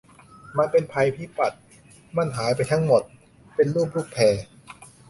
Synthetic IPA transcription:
ma˧npe˧npʰa˧jpʰiː˥˩pa˨˩t̪̚ | ma˧˥˩nɦaː˩˦jp̬a˧jt̪ʰa˦˥ŋmo˨˩t̪̚ | pe˧nluː˥˩p̚lu˥˩k̚pʰɛː˧

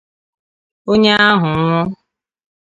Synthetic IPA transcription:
o˦ɲe˦a˦ɦʊ˨˦ŋʷɔ˦

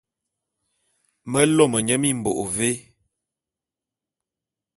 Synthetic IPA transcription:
mə˦lo˦˨mə˨ɲə˦mi˦˨m̩˨bo˨ʔo˨ve˦

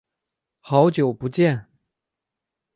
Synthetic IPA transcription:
xɑ˨˧˥ʊt͡ɕjo˨˩ʊpu˧˥t͡ɕjɛ˥˩˨n

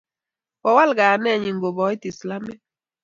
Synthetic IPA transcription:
wɔ˨wa˦lɡa˨nɛ˦˨ɲi˨ŋɡo˨bɔ˨˦i˦ti˨sla˦me˦

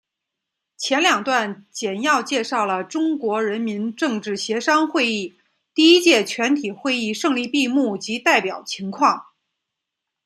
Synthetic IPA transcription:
t͡ɕʰjɛ˧˥nljɑ˨˩ŋt̪wa˥˩nt͡ɕjɛ˨˩njɑ˥˧ʊt͡ɕjɛ˥˧ʂɑ˥˩ʊlə˩ʈ͡ʂʊ˥ŋkwɔ˧˥ɻə˧˥nmi˧˥nʈ͡ʂɤ˥˧ŋʈ͡ʂɻ̩˥˩ɕjɛ˧˥ʂɑ˥ŋxwe˥˧ɪi˥˩ | t̪i˥˩i˥t͡ɕjɛ˥˩t͡ɕʰɥɛ˧˥nt̪ʰi˨˩xwe˥˧ɪi˥˧ʂɤ˥˧ŋli˥˧pi˥˧mu˥˩t͡ɕi˧˥t̪a˥˩ɪpjɑ˨˩ʊt͡ɕʰi˧˥ŋkʰwɑ˥˩ŋ

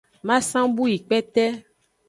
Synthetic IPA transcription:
mã˦sã˦bu˦ji˨k͡pɛ˦t̪ɛ˦

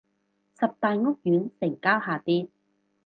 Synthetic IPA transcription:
sɐ˨p̚t̪aː˨jŋʊ˥k̚jyː˨˥nsɪ˨˩ŋkaː˥whaː˨˩t̪iː˥t̚

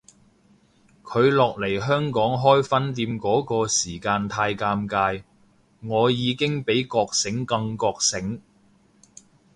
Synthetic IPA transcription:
kʰɵ˨˧ɥlɔː˨k̚le˨˩jɦœː˥ŋkɔː˨˥ŋɦɔː˥jfɐ˥nt̪iː˧mkɔː˨˥kɔː˧siː˨˩kaː˧nt̪ʰaː˧jkaː˧mkaː˧j | ŋɔː˨˧jiː˨˧kɪ˥ŋpe˨˥jkɔː˧k̚sɪ˨˥ŋkɐ˧ŋkɔː˧k̚sɪ˨˥ŋ

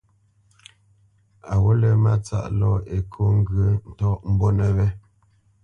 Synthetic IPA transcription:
a˨wo˦lɛ˨ma˦t͡sa̰˦ʔlɔ˦e˨kʰo˦ŋ̩˦ɡə˨˦n̩˨tɔ˦ʔm̩˦bo˦nɛ˨βɛ˦

